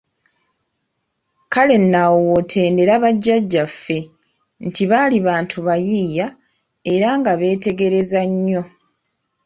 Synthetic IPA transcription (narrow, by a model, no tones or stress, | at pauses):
kale̞nːawwotʰe̞ːnde̞ɾaβaɟːaɟːafːe̞ | ntiβaːliβaːntʰuβajija | e̞ɾaŋɡaβe̞ːte̞ɡe̞ɾe̞zaɲːo̞